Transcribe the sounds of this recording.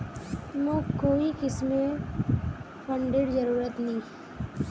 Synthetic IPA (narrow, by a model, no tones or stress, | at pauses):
mõkoːikɪsme | pʰəɳɖeɽzəɾuːɾət̪nɐĩː